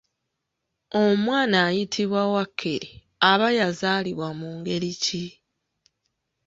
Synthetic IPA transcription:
omwaːnaːjitʰiβwawakʰːe | aβajazaːliβwamuːŋɡe̞lici

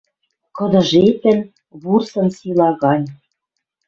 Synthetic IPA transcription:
kɤ̆d̪ɤ̆ʒet̪ɘ̆n | βursɤ̆nsilɑɣɑnʲ

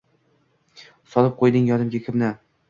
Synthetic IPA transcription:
sɒlˠɪp̚qʰojd̪ɪŋjɒnɪmɡʲakʲʰɪmnɪ

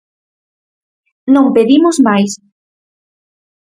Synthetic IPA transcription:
nõmpeðimozmajs

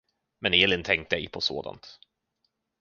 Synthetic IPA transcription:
mɛneːlɪnt̪ʰɛŋkt̪əɛ̰jpʰɔso̰ːd̪a̰nt̪

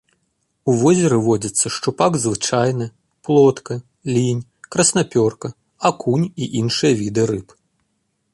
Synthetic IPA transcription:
uvɔzʲɛɾɨvɔd͡zʲɐt̪sːɐʂt͡ʂupaɡzvɨt͡ʂajnɨ | plˠɔt̪kɐ | lʲinʲkɾɐsnapʲɔrkɐ | akunʲiʔinʂɨjɐvʲid̪ɨɾɨp

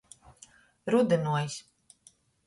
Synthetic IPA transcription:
ɾud̪ɨnuɔjs

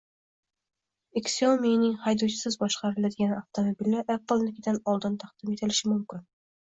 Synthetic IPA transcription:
eksolmejnɪŋhɑjd̪owt͡ʃʰɪ̥sɨzbɒʃqɑɾɪlæd̪ɪɡʲænaft̪omobilʲːæɾʔæk̚bɒlˠnɪkʲɪd̪ænɒlˠd̪ɤnt̪ʰɑqd̪̥ɪmet̪ʰɪlɪʃɪmʊmkʲɪn

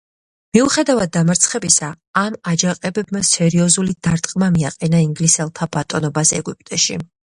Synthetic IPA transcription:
miuχɛd̪avad̪̚ːamaɾt̪sʰχɛbisaː | mad͡ʒaqʼɛbɛbmasɛɾiɔzulid̪̥aɾt̪ʼqʼmamiaqʼɛnaiŋɡlisɛlˠt̪ʰabat̪ʼɔnɔbasɛ̰ɡupʼt̪ʼɛʃḭ

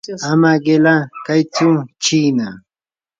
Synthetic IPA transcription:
amaɢelakajt͡sʊt͡ʃiːna

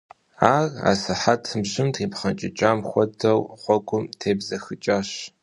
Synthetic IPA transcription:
aːra̰ːsɨħatʰɨmɕɪmtʰiːpχɐnt͡ʃʼɪt͡ʃʼaːmχʷɔdɐwχʷɔɡʷʊmtʰeːbzɐxɨt͡ʃʼaɕ

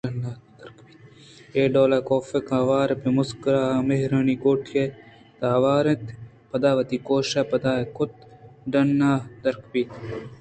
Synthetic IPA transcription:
ɖɐnad̪ɐɾkbit̪ | eːɖoːlɐkoːfekaːʋaːɾɐpemʊskɾaːmeɦɾɐniɡoːʈʰke | t̪aːʋaːɾet̪ | pɐd̪aːʋɐt̪iːkoːʃapɐd̪aːekʊt̪ɖɐnːaːd̪ɐɾkbiːt̪

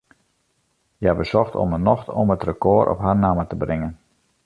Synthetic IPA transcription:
jəabəsɔxtɔ̰mənɔxtɔmətrəkoːɾʔɔ̰pɦarnamətəbrɪŋən

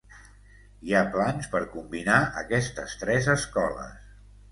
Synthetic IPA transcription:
iaplanspəɾkumbinaʔəkɛst̪əst̪ɾɛzəskɔlə̰s

